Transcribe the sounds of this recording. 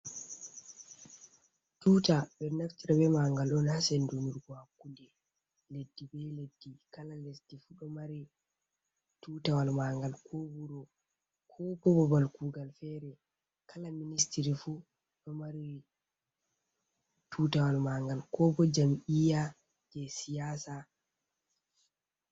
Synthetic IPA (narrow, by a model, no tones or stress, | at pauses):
tuːtaɓɛnaftiɾabɛmaŋɡalɗɔnhasɛndunuɾɡɔhakːundɛ | ledːibɛledːikalalesdifuɗɔmaɾi | tuːtawalmaŋɡalkʰɔbuɾɔ | kʰɔbɔbɔbalkuːɡalfɛɾɛ | kʰalaministiɾifu | ɗɔmaɾi | tʰutawalmaŋɡalkɔbɔd͡ʒamʔija | d͡ʒɛsijaːsa